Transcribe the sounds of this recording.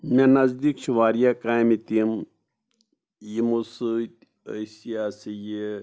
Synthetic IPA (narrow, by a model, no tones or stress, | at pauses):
mẽnɐzd̪iːkʃʰuʋaːɾijakaːjmit̪im | jimusɨ | ɐsijasije